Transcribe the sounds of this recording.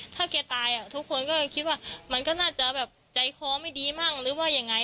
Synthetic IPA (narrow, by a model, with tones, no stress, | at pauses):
t̪ʰaː˥˩kɛː˧t̪aː˧jʔa˨˩t̪ʰu˦˥kʰːo˧nkɔː˥˩kʰi˦˥t̪̚waː˥˩ma˧nkɔː˥˩naː˥˩t͡ɕa˧˩bɛː˨˩p̚t͡ɕa˨˩jkʰɔː˧˦ma˥˩jdiː˧˦maː˥˩ŋɾɯː˨˦˥waː˥˩ja˧ŋːa˧˥j